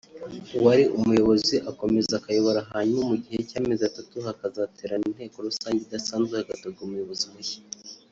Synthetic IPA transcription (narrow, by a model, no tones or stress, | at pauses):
waɾiʔumujo̞βo̞ziʔako̞me̞zakajo̞βoɾaɦaɲmumuɟihe̞caːmezatatuɦakazatʰeɾanin̥he̞ːko̞ɾusaːɲɟedasaːnzɡehaɡatoɡaumujo̞βo̞ziwḁ